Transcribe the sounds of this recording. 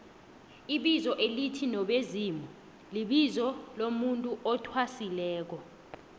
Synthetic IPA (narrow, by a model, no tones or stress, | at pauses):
iɓizɔʔelitʰinɔɓeziːmu | liɓizɔlomuntʼuʔɔtʰwasilɛːk̬ɔ